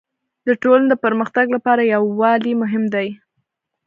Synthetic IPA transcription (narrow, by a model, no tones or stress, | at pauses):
d̪əʈoland̪əpəɾməxt̪aɡlapɑɾajawːɑlimʊɦɪmd̪aj